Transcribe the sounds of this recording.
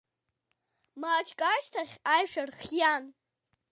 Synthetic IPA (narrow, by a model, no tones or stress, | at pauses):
maːt͡ʃʰkʼaʃtʰaχʲajʃʷᶣarχjan